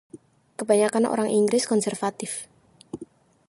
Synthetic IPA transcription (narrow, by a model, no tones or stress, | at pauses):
kəbaɲakanʔo̰ɾaŋʔiŋɡɾɪskɔnsɛrfat̪ɪf